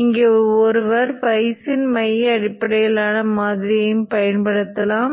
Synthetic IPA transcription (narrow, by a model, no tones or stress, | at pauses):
ɪŋɡeːɔɾɯʋɐɾpɐɪsɪnmɐjɐɽɪpːɐɽɐjɐlaːnɐmaːðɪɾɪjɪmpɐjɐnpɐɽɯt̪ːɐlaːm